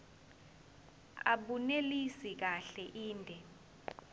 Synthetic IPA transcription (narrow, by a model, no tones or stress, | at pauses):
a̰ɓunelisik̬aɬɛʔiːndʱɛ